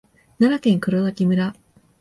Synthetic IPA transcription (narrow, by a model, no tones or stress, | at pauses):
naɾakẽ̞ŋkɯ̟ɾoɡakʲimɯ̟ɾa